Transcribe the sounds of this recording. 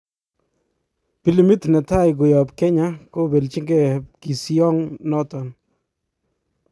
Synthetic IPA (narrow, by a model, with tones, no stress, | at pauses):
pi˨˦li˨mi˦tnɛ˨ta˦jɡʊ˨jɔ˨pkɛ˦ɲako˦be˨lt͡ʃi˦ŋɡɛ˦˨ki˨si˦ɔ˦ŋnɔ˦tɔ˨n